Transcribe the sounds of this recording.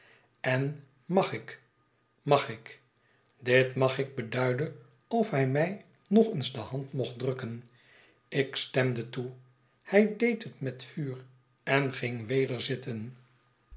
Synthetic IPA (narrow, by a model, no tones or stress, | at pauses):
ɛn | mɑχɪk | mɑχɪk | dɪtmɑχɪɡ̚bədœɥdən | ɔfɦɛjmɛj | nɔχənzdəhɑntmɔχtdrɵkən | ɪkstɛmdətu | hɛjdejtətmɛtfyːr | ɛnχɪŋʋejdəɹzɪtən